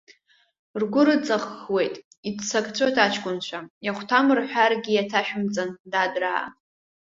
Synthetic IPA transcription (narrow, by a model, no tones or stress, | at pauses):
rɡʷʊɾɨt͡sʼaχwe̞jtʼ | idt͡sakʼt͡sʷʰotʰat͡ʃʰkʷʼʊnt͡ɕʷʰajaχʷtʰamɨrħʷᶣarɡʲijatʰaʃᶣʊmt͡sʼandadra̰ː